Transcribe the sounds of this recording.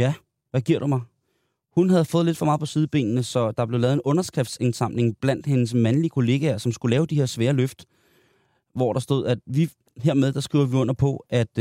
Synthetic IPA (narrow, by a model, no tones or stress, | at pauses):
jæ | ʋæɡ̥iɐ̰ɾ̥umɑ̈ɪ | hunɦæð̞̩ˠfɔ̽ːðˠle̝d̥fɒmɑ̈ːpʰɒ̽siːðˠb̥e̝̰ːnnəsɒ̽d̥ɑ̈b̥leʊɛːð̩ˠe̝nɔ̽nɐsɡ̥ʁɛfd̥sensɑ̈m̰ne̝ŋb̥læn̰d̥he̝nəs̬mænliəkʰo̝le̝ːɡ̥æɐsɒ̽msɡ̥ulɛːʊd̥ihe̝ɐsʋeːɐløfd̥ | ʋɒ̰ɾ̥ɑ̈sd̥o̝ð̰ˠæd̥ʋi | he̝ɐ̰meðˠd̥ɑ̈sɡ̥ʁiʊ̰ɐʋiɔ̽n̰ɐpʰɒ̽ʔæd̥